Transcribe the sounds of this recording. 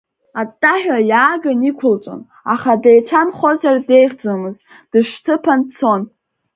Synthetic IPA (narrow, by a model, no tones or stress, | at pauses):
atʼːaħʲᶣajaːɡanikʷʰʊlt͡ʃʼo̰n | aχadejt͡ʃʷʰamχozarde̞jχd͡zamɨz | d̥ɨʂtʰɨpʰant͡sʰo̞n